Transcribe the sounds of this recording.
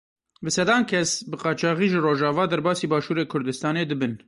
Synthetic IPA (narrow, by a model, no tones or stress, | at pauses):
bɨsɛd̪ɑːnkʰɛsbɨqɑːt͡ʃɑːɣiːʒɨroːʒɑːvɑːd̪ɛɾbɑːsiːbɑːʃuːɾeːkʰʊɾd̪ɨst̪ɑːneːd̪ɨbɨn